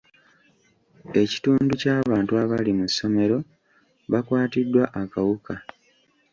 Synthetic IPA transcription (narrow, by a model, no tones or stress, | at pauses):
e̞ci̥tuːnducaːβaːntuaβalimusːo̞me̞ɾo̞ | βakwaːtidːwaʔakawuka